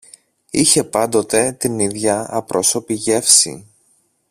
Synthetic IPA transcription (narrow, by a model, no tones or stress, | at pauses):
içe̞pɐnd̪o̞t̪e̞t̪iniðʝɐɐpɾo̞so̞piʝe̞fsḭ